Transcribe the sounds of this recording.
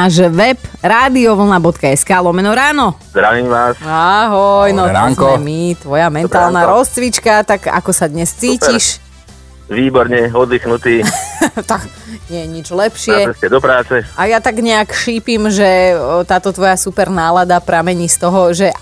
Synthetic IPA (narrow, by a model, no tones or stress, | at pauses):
naːʒʋɛbɾaːd̪iɔʋl̩nabɔt̪kaɛskaːlˠɔmɛnɔɾaːnɔzd̪ɾaʋiːmʋaːsaɦɔjnɔtŋmit̪ʋɔjamɛnt̪aːlˠnaɾɔst͡sʋit͡ʃkat̪aɡa̰kɔsad̪ɲɛst͡siːciʃ | ʋiːbɔɾɲɛɔd̪lixnut̪iːt̪ak | ɲɪɛjɛɲid͡ʒlɛpʃɪɛɛscɛd̪ɔpɾaːt͡sɛajat̪aɡɲɛakʃiːpimʒɛt̪aːt̪ɔt̪ʋɔjasupɛɾnaːlad̪apɾamɛɲist̪ɔɦɔʒɛ